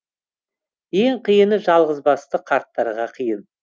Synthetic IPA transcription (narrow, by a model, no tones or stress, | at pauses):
je̞ɴqʰijənəʒɑlˠʁəzbɑst̪əqʰɑɾt̪ːɑɾʁɑqʰijən